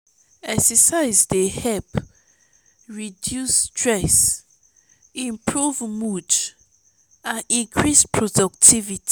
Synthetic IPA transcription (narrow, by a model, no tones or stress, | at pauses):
ɛksɛsaɪzdehɛp | ɹidjustɹɛs | ĩmpʰɹuvmud͡ʒ | ãnĩŋkʰɹispʰɹɔdɔk̚tʰivitʰi̥